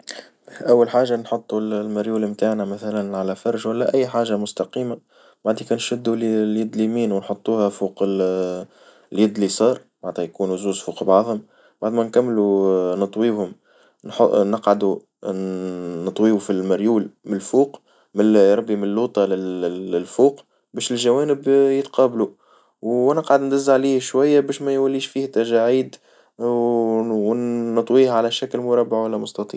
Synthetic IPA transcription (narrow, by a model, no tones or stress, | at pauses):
ʔæwːalħaːʒanħot̪ˤːullmɪɾjuːlmt̪aːʕnæmæθælænʕalæfɑɾˤʒwælːæʔæjːħaːʒamʊst̪ɑqiːma | baʕd̪iːkænʃʊd̪ːulljɪd̪limiːnwnħot̪ˤːuːhæfuːq | ljɪd̪lisˤɑːɾˤbaʕt̪hæjkuːnuzuːzfuːqbɑʕðˤhʊm | baʕd̪mænkæmːlunɨt̪ˤwiːhʊm | nħnəqʕad̪u | ɨt̪ˤwiːbufilmɪɾjuːlmlfuːq | mɪɾˤɑbːimnlːuːt̪ˤɑlɪɪlfuːq | bɛːʃɪlʒæwæːnɪbjɪt̪qʰɑːblu | wænəqʕad̪nd̪æzːaʕliːhʃwæjːæbæːʃmæjwælːiːʃfiːht̪ːæʒaʕiːd̪ | wnɨt̪ˤwiːhʕalæʃæklmʊɾˤɑbːaʕwælːæmʊst̪ɑt̪ˤḭːʕ